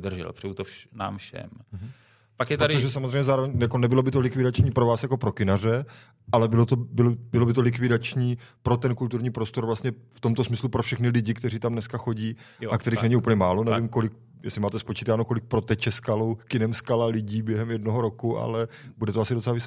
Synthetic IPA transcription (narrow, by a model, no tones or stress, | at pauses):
d̪r̩ʒɛ̰lpr̥ɛut̪ona̰ːmfʃɛ̰m | pakjɛt̪aɾt̪oʒɛsamozreɛjmɲɛzaːɾovɛɲjakonɛbɪlobɪt̪olɪkvɪdat͡ʃɲiːpɾovaːsjako̞pɾo̞kɪnarɛ | ʔalɛbɪlot̪obɪlobɪlobɪt̪olɪkvɪdat͡ʃɲiːpɾo̞t̪ɛnkult̪uɾɲiːpɾost̪o̞ɾvlast̪ɲɛft̪omt̪osmɪslupɾofʃɛxnɪlɪɟɪkt̪ɛɾiːt̪amnɛskaxo̞ɟiː | ʔakt̪ɛɾixnɛɲiuːpl̩ɲɛmaːlo̞nɛvɪmko̞lɪk̚ | jɛ̰slɪmaːt̪ɛspot͡ʃiːt̪aːnoko̞lɪk̚pɾo̞t̪ɛt͡ʃɛskalowkɪnɛmskalalɪɟiːbjɛɦɛmjɛdnoɦoɾokuʔa̰lɛbudɛt̪oasɪdot͡sɛlavɪs